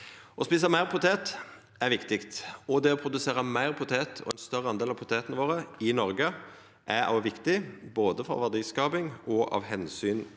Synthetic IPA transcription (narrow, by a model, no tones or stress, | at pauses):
ɔspiːs̬əmæɪʁpʰʊt̪ʰeːt̪ | æʁʋɪkt̪ɪkt̪ɔd̪ɛɔpʰɾʊd̪ʉseːʁəmæɪʁpʰʊt̪ʰeːt̪ʰɔ̰ɛnst̪œʁːəɑnd̪eːlɑʋpʰʊt̪ʰeːt̪ənəʋoːɾəɪnɔɾɡə | ʔæɾɑ̰ʋʋɪkt̪ɪboːd̪əfɔ̰ʋæd̪iːskɑːpɪŋɔʔɑ̰ʋɦɛnsyːn